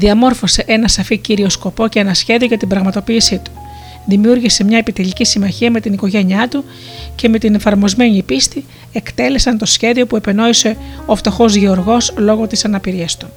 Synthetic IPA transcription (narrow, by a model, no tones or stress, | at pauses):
ðiɐmo̞ɾfo̞se̞ʔe̞nɐsɐficiɾio̞sko̞po̞ce̞enɐsçe̞ðio̞ʝɐt̪ibɾɐɣmɐt̪o̞piːsit̪u̥ | ðimiuɾʝise̞mɲɐepit̪eʎicisimɐçiɐme̞t̪iniko̞ʝe̞ɲiɐt̪u | ce̞me̞t̪ine̞fɐɾmo̞zme̞ɲipist̪i | e̞kt̪e̞le̞sɐnt̪o̞sçe̞ðio̞pue̞peno̞ise̞o̞ft̪o̞xo̞zʝeo̞ɾɣo̞slo̞ɣo̞t̪isɐnɐpiɾiɐst̪u̥